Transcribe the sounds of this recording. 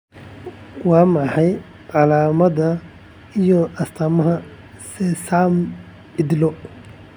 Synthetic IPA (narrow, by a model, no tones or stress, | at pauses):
wɑːmɑħɑj | ʕɑlaːmɐðɐ | ijɔʔɐst̪ʰɐmɐɦɐ | sɛsaːm | ɪd̪lɔ